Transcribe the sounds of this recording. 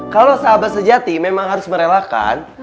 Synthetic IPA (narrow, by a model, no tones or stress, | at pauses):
kalosaːbasəd͡ʒat̪imemaŋɦaɾʊsməɾelaka̰n